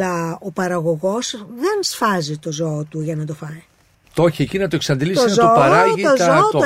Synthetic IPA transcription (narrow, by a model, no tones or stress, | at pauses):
ɐopɐɾɐɣo̞ɣo̞sðe̞nsfɐzit̪o̞zo̞ːt̪uʝɐnɐt̪̬o̞fɐj | t̪o̞çiecinɐt̪oeksɐnd̪ilisɐzt̪opɐɾɐʝiozot̪